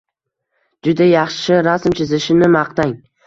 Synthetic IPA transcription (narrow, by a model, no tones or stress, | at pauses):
d͡ʒʊd̪ajɑχʃʃɪɾasmt͡ʃʰɪzɪʃɪnɪmɑqt̪aŋ